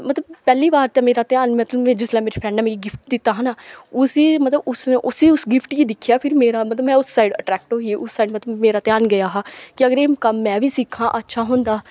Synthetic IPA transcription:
mət̪ləbpɛːliːbaːɾt̪ɛ̃ːmeːɾaːt̪jaːnmət̪ləbmɛ̃ːd͡ʒɪslaːmeːɾeːpʰɾɛ̃ːɳɖnːmeːɡiɡɪpʰʈ̚d̪ɪt̪ːaːɦənaːʊsiːmət̪ləbʊsneːʔʊsiːʊsɡɪpʰʈkiːd̪ɪkʰjaːpʰɪɾmeːɾaːmət̪ləbmɛ̃ːʊsːaːɪɖəʈɾɛːk̚ʈɦoːiʔʊsːaːɖmət̪ləbmeːɾaːt̪jaːnɡəjaːɦaːkɪəɡəɾeːmkəmːɛ̃ːʋiːsɪkʰːãːʔətːʃʰaːɦʊ̃nd̪aː

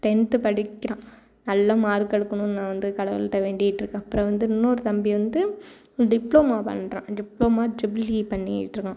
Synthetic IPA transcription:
t̪ɛnt̪ɯpɐɽɪkːɪɾãː | nɐlːɐmaːɾɯkːɐɽɯkːɐɳʊ̃nãːʋɐnd̪ɯkɐɽɐʋɐ̰lʈːɐʋeːɳɖɪɪʈːɾɯkːãːɐpːɾɔ̃ːʋɐnd̪ɯɪnːoːɾɯt̪ɐmbiʋɐnd̪ɯ | ɖɪpːloːmaːpɐ̰ɳːɾḛ̃ːɖɪploːmaːd͡ʒɪblipɐɳːɪ̰jɪ̰ʈːɾɯkːãː

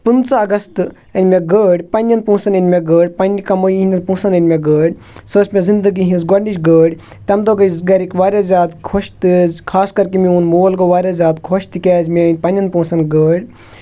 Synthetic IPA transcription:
punsaɐɡɐst̪ | ɐnʲmeɡəːɽʲpɐnʲjɐnpũːsɐnɐnʲmʲeɡəːɽʲpɐnʲikɐmojiɦinɐnpũːsɐnɐnʲmʲeɡəːɽʲ | səːsmẽzind̪ɨɡiɦĩnzɡɐɾnit͡ʃɡəːɽʲ | t̪ɐmd̪oɡɐjzɡɐɾikʋaːɾʲjazʲaːd̪kʰoʃt̪ɨzʲkʰaːskɐɾkimĩunmoːlɡoʋaːɾʲazʲjaːd̪kʰoʃt̪ɨkʲɛzʲmenʲpɐnʲjɐnpũːsɐnɡəːɽʲ

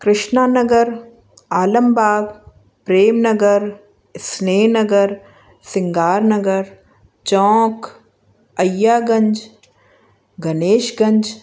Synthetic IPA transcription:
kɾɪʃnaːnɐɡəɾ | aːləmbaːɡ | pɾeːmnɐɡəɾ | sneːnɐɡəɾ | sɪ̃ŋɡaːɾnɐɡəɾ | t͡ʃɔ̃ːk | ɐjːaːɡɐ̃ɲd͡ʒ | ɡɐneːʃɡɐ̃ɲd͡ʒ

